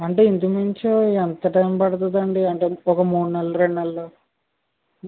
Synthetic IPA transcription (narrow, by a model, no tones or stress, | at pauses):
ɐɳʈe̞ːind̪umiɲt͡ʃoːɛnt̪ɐʈɐjmpɐɽɐt̪ud̪ɐɳɖiɐɳʈeːɔkɐmuːɽunɐlːɐɾeɳɖnɐlːo